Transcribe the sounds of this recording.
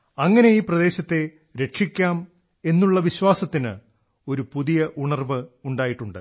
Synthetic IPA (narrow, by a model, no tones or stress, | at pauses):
ɐŋːɐne̞iːprɐd̪e̞ːɕɐt̪ːe̞ | ɾe̞ʂikʲːaːm | e̞nːuɭːɐʋiɕwaːsɐt̪ːinɨ̰ | o̞ɾupuðijɐʔuɳɐrbɨuɳɖaːjiʈːuɳɖɨ̰